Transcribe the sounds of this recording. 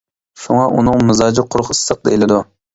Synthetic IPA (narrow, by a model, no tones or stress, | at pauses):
ʃuŋɑʔunɨŋmɨzɑːd͡ʒɪqʰʊɾχɨsːəq̚d̪ḛjlɪd̪u